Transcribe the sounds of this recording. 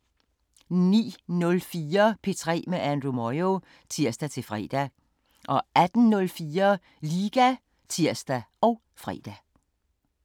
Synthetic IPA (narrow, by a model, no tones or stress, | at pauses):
nḭːnɔ̽lfiːɐpʰe̝t͡sʰʁɛ̰ːmeʔænd̥ʁumɒo | t͡sʰiɐsd̥æt͡sʰe̝lfʁɛ̰ːd̥æ | ʔɒ̽æd̥n̩nɔ̽lfiːɐ | liɡ̥æ | t͡sʰiɐ̰sd̥æɒ̽ʊ | fʁɛ̰ːd̥æ